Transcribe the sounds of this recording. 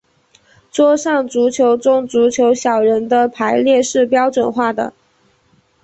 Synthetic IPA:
t͡swɔ˥ʂɑ˥˩ŋt͡su˧˥t͡ɕʰjo˧˥ʊt͡sʊ˥ŋt͡su˧˥t͡ɕʰjo˧˥ʊɕjɑ˨˩ʊɻə˧˥nd̪ə˧pʰa˧˥ɪljɛ˥˧ʂɻ̩˥˩pjɑ˥ʊt͡swə˨˩nxwa˥˩d̪ə̰˩

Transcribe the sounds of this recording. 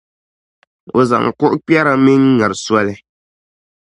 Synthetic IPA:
o˨za̰˨ŋ˨kʊ˦ʔʊ˦k͡pi˦ɛ˦ɾa˦mɪ˦ŋ˦ŋa˨ɾɨ˨swa˦lɪ˦

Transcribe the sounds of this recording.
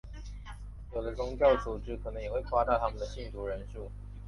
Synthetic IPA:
jo˨˩d̪ə˦t͡sʊ˥ŋt͡ɕjɑ˥˩ʊt͡su˨˩ʈ͡ʂɻ̩˧˥kʰɤ˨˩nɤ˧˥ŋjxwe˥˩ɪkʰwa˥t̪ɑ˥˩ʊt̪ʰa˥mə˨nd̪ə˩ɕi˥˩nt̪ʰu˧˥ɻə˧˦nʂu˥˩

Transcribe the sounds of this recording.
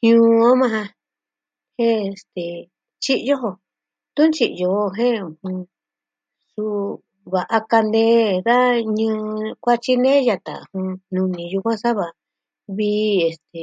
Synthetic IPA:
hj̃ũː˧o˦mã˧ɦã˧ | hẽ˦e˨st̪e˨ | t͡ʃi˦ʔjo˦ɦo˧ | t̪u˦nt͡ʃi˧ʔjo˧o˧ɦẽ˦ũ˨hũ˧ | su˧ | βa˨ʔa˧ka˧nd̪e˦ða˦ɲɨ̃˧˦kʷa˦t͡ʃi˦nẽ˦ja˧t̪a̰˨hũ˧nũ˧nĩ˧ju˧kʷã˦sa˦βa˨ | βiː˦˧˦e˨st̪e˨

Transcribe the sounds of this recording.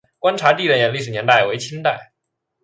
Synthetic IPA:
kwa˥nʈ͡ʂʰa˧˥t̪i˥˧˩ə˥˩njɛ˧˩nli˥˩ʂɻ̩˨˩njɛ˧˥nt̪a˥˩ɪwe˧˥ɪt͡ɕʰi˥ŋt̪a˥˩ɪ

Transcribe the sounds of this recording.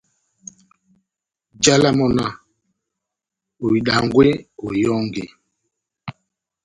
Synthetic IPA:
d͡ʒa˦la˦mɔ˦na˦˨ | o˨i˨ɗa˨ŋɡwe˦o˨jɔ˦ŋɡḛ˨

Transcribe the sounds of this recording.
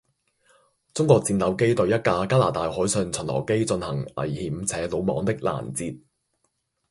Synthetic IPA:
t͡sʊ˥ŋkʷɔː˧k̚t͡siː˧nt̪ɐ˨˥wke˥jt̪ɵ˧ɥjɐ˥t̚kaː˧kaː˥laː˨˩t̪aː˧jhɔː˨˥jsœː˧ŋt͡sʰɵ˨˩nlɔ̰ː˨˩wke˥jt͡sɵ˧nhɐ˨˩ŋɐ̰˨˩jhiː˨˩m̩˧t͡sʰɛː˨˥lo˨˧wmɔ̰ː˨˧ŋt̪ɪ˥k̚la̰ː˨˩nt͡siː˧t̚

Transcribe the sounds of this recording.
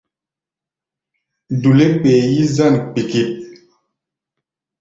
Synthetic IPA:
du˨le˦k͡peː˨ji˦za˦˨nk͡pi˨ki˦p̚

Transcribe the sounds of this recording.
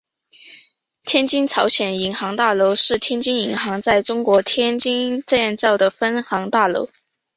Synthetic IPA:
t̪ʰjɛ˥nt͡ɕi˥ŋt͡sʰɑ˧˥ʊɕjɛ˨˩ni˧˥ŋxɑ˧˥ŋt̪a˥˩lo˧˥ʊʂɻ̩˥˩t̪ʰjɛ˥nt͡ɕi˥ŋi˧˥ŋxɑ˧˥ŋt͡sa˥˩ɪʈ͡ʂʊ˥ŋkwɔ˧˥t̪ʰjɛ˥nt͡ɕi˥nʈ͡ʂa˥˧ɛ˥˧nt͡sɑ˥˩ʊd̪ə˩fə˥nxɑ˧˥ŋt̪a˥˩lo̰˧˥ʊ

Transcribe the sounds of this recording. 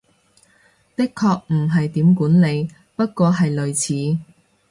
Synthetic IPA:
t̪ɪ˥kʰːɔː˧k̚m̩˨˩ɦɐ˨jt̪iː˨˥mkuː˨˥nle˨˧j | pɐ˥t̚kʷɔː˧ɦɐ˨jlɵ˨ɥt͡sʰiː˨˥

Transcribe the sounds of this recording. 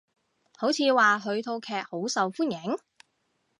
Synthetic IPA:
ho˨˥wt͡sʰiː˨˧waː˨ɦɵ˨˧ɥt̪ʰo˧wkʰɛː˨k̚ho˨˥wsɐ˨wfuː˥njɪ˨˥ŋ

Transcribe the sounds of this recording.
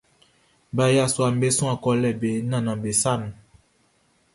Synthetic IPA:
ba˨ja˦˨swa˨m˦be˦sũ˦ã˨kɔ˦lɛ˨be˨˦nã˨nã˨be˨sa˦˨n˨

